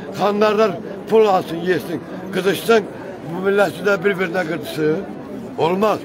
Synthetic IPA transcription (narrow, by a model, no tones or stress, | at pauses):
χʰɑnd̪ɑɾd̪ɑɾ | pʰʊlˠɑlˠsɨnjet̪sɪŋ | ɡɯzɯʃt̪ɯŋ | bmɪlːæt̪ɪd̪æbɪɾbɪɾnæɡɯɾt̪ʰɯ̥sɨ | bolˠmɑz